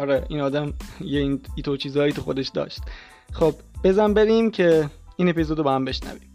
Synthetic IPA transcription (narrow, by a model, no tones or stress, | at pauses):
ɒɾeʔiːnɒːd̪æmjeiniːt̪ʰot͡ʃʰiːzɒːjiːt̪ʰuxo̞d̪eʃd̪ɒ̰ːʃt̪̚ | xob̥ | be̞zænbe̞ɾiːmcʰe̞iːne̞pizod̪obehæmbe̞ʃnæ̰vi̥̰m